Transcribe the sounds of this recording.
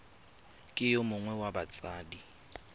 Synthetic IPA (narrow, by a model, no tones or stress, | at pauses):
kʼɪjomʊŋwɛwabat͡sʼaːdi